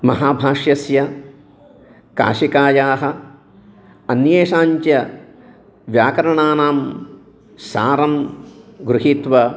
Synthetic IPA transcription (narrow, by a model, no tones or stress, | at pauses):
mɐ̰ɦaːbʱaːʂjɐsjɐ | ka̰ːʂikaːjaːɦɐ | ɐnjeːʂaːɲt͡ʃjɐ | ʋjaːkɐɾɐɳaːnaːm | sa̰ːɾɐmɡɾuɦit̪ʋɐ